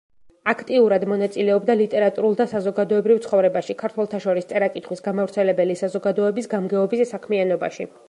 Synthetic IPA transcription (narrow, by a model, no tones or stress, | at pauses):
akʰt̪ʼiuɾad̪mɔnat̪sʼilɛɔbd̪alit̪ʼɛɾat̪ʼuɾulˠd̪asazɔɡad̪ɔɛbɾivt̪sʰχɔvɾɛbaʃikʰaɾt̪ʰwɛlˠt̪ʰaʃɔɾist̪sʼɛɾakʼit̪ʰχwisɡamavɾt̪sʰɛlɛbɛlisazɔɡad̪ɔɛbisɡamɡɛɔbissakʰmianɔba̰ʃḭ